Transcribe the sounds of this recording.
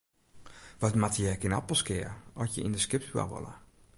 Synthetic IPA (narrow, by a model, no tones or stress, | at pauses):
ʋɔtmatjəkɪna̰pəlˠskɪərɔsjə̰ʔindəskɪp̚twa̰ʋo̰lə̰